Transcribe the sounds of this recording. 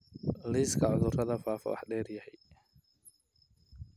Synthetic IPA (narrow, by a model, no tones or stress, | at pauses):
liːskʰɐʕʊðʊrɐðɐfaːfɐ̰wɑ̰ħɖɛːrjɐhɛj